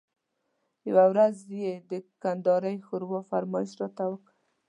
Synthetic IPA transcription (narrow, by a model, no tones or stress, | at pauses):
jawawɾazjed̪əkand̪ɑɾəjxʊɾwɑfaɾmɑjɪʃɾɑt̪awək